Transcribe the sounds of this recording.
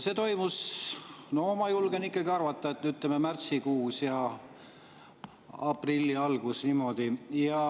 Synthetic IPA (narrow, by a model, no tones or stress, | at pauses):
se̞ːt̪o̞jmus | nomɑjulɡ̥enikˑːɑɡiɑrvɑt̪ˑːɑet̪nyt̪lememært̪sikuːsjɑ | ɑprilʲːiɑlɡ̥usniːmo̞d̪̥ijɑ